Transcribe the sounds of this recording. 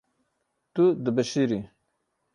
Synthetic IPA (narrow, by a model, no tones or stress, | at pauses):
t̪ud̪əbɐʃiɾi